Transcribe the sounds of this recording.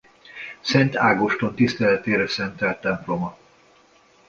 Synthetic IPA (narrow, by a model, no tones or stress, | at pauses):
sɛnt̪aːɡoʃt̪ont̪ist̪ɛlɛt̪eːɾɛsɛnt̪ɛlt̪ːɛmplo̞mɒ